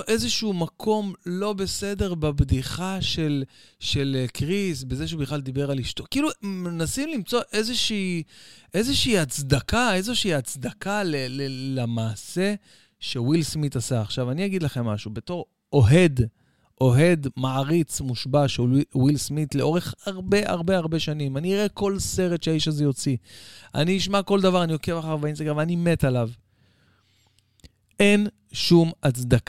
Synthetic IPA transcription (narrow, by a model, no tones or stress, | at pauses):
ʔe̞zeʃumakʰo̞mlo̞be̞se̞de̞ʁbabdiχaʃe̞lʃe̞lkʁisbezeʃ̬eubiχlald̪ibe̞ʁaliʃto̞kiilumenasimlimt͡so̞ʔe̞zeʃiːʔezeʃiːhat͡sd̪akaezoʃiiːat͡sd̪akalelelemaːse̞ | ʃe̞wilsmit̪asaːχʃavaniaɡid̪laχe̞mːaʃube̞to̞ʁ | o̞ɦe̞d̪ | ʔo̞ɦe̞d̪maʕaʁit͡smuʃbaʃewilsmitleo̞ʁe̞χhaʁbe̞ʔa̰ʁbeaʁbe̞ʃanimaniiʁeko̞lse̞ʁet̪ʃeaiʃazejo̞t͡sia̰niiʃmako̞ld̪avaʁanio̞kevaχaʁbaeinsd̪aɡʁavaanime̞talav | e̞n | ʃumat͡sd̪ak